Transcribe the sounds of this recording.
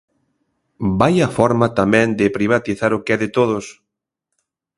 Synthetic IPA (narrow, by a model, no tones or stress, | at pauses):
bajɐfɔɾmɐt̪amɛ̃nd̪ɪpɾiβ̞at̪iθaɾʊkɛðɪt̪oðʊs